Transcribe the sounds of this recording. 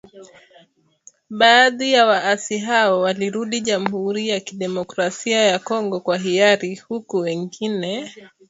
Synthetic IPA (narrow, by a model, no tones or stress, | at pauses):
ɓaːðijawaasiɦaɔwaliɾuɗiʄam̩huɾijakiɗɛmɔkɾasiajakɔŋɡɔkwaɦiaɾihukuwɛŋɡinɛ